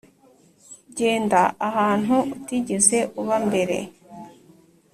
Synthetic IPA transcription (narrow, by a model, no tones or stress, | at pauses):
ɟe̞ːndaʔahaːn̥huːtiɟeze̞ʔuβambe̞ɾe̞̰